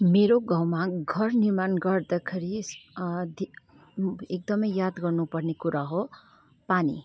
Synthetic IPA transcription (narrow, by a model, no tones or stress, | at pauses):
meɾoɡãwmaɡʱʌrnirmanɡʌrd̪akʰeɾi | d̪i | ek̚d̪ʌmʌjːad̪ɡʌrnupʌrnekuɾaɦo | panḭ